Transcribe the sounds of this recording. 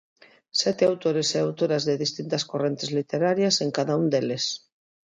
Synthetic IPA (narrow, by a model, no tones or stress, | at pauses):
sɛt̪eawt̪oɾeseawt̪oɾazðeðist̪int̪askorent̪ezlit̪eɾaɾjaseŋkaðaund̪eles